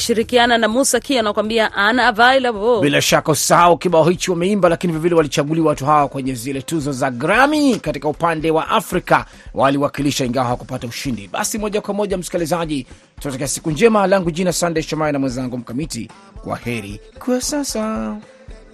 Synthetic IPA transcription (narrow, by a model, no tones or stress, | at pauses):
ʃiɾikiananamusakianakwambiaʔanavailavɔbilaʃakausi̥sahaukiɓaɔhit͡ʃiwamɛimbalakiniviɔvilɛwalit͡ʃaɠuliawatuɦawakwɛɲɛzilɛtuzɔzaɡɾamikatikaupandɛwaʔafɾika | wʔaliwakiliʃaiŋɡawahawakupatauʃindḭɓa̰simɔʄakwamɔʄam̩si̥kilizaʄi | tunatakɛasi̥kuɲd͡ʒɛmalaŋɡuʄinasandeʃɔmaɾinamwɛnzaŋɡum̩kamitḭ | kwa̰hɛɾḭkuasasa